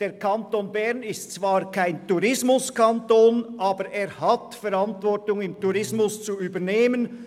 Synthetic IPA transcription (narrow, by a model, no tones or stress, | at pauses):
d̥eːɐkʰantoːnbɛʁnɪstt͡svaːʁkʰaɪntuɾɪsmʊskʰantoːnʔaːbəɾeːɾhatfɛɾantvɔʁtʊŋɪmtuʁɪsmʊst͡suyːbəʁneːmən